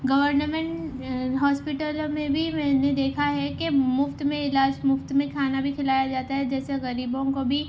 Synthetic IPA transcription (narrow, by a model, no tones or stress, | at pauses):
ɡɐʋəɾnəmɛ̃ɳʈɦɔːspɪʈəlmẽbʱimɛ̃ːned̪eːkʰaɦɛkemʊft̪mẽɪlaːd͡ʒmʊft̪mẽkʰaːnabʱikʰɪlaːjad͡ʒaːt̪aɦɛd͡ʒɛːseɣɐɾiːbõkobʱi